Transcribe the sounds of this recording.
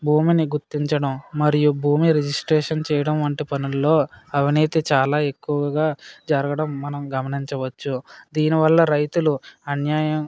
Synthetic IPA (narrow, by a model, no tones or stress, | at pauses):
bʱuːminiɡuɾt̪iɲt͡ʃɐɽɐmːɐɾijubʱuːmiɾed͡ʒisʈɾɛːʂɐnt͡ʃɛːjɐɽɐmʋɐɳʈipɐnulːo̞ːɐʋiniːt̪it͡ʃaːlaːe̞kːuʋɐɐɡaːd͡ʒɐɾɐɡɐɽɐmːɐnɐmɡɐmɐniɲt͡ʃɐʋɐt͡ʃːud̪iːniʋɐlːɐɾɐjt̪uluɐnjaːjɐm